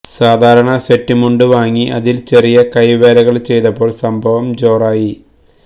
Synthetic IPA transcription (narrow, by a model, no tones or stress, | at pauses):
saːd̪ʱaːɾɐɳɐse̞ʈːumuɳɖɨʋaːŋːiʔɐðilt͡ɕerijɐkɐjʋeːlɐɣɐɭt͡ɕe̞jt̪ɐpːoːɭsɐmbʱɐʋɐmd͡ʑo̞ːraːji